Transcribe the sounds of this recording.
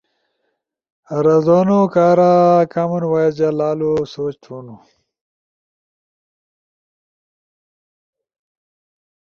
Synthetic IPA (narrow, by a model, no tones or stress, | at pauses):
ɾɐzonukaːɾakamunwajed͡ʑalaːlusoːt͡ɕʈ͡ʂʰunu